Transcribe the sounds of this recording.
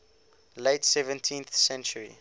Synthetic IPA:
leɪtsɛvə̃ntʰĩnθsɛ̃nt͡ʃəɹḭ

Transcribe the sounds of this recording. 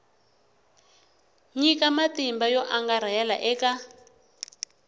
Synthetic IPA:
ɲikamatimbajɔʔaŋɡaɾajala̰ʔɛːka

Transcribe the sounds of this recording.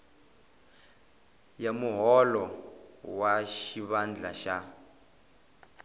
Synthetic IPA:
jamuɦɔlɔwaʃiβand͡ɮʱaʃa

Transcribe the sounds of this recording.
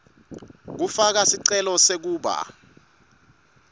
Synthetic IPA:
k̬ufak̬asiǀɛlɔsek̬uːɓa̰

